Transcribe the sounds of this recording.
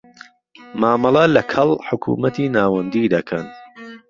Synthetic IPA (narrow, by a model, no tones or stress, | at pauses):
maːmɑlˠɐlɐkʰɐlˠħʊkʰṵmɐt̪iːnaːwɐnd̪id̪ɐkʰɐn